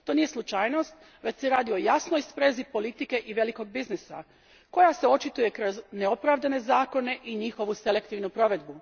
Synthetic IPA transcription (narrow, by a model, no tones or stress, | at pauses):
t̪o̞ːnije̞slˠut͡ʃajno̞st̪ | ʋecseɾaːd̪io̞jasnojspɾezipo̞lit̪ike̞ʔiʋe̞liko̞ɡ̚biznisa̰ | ko̞jaseo̞t͡ʃit̪uje̞kɾo̞zneopɾaʋd̪ane̞zaːko̞ne̞ʔiɲixo̞ʋuse̞le̞kt̪iʋnupɾo̞ʋe̞d̪bu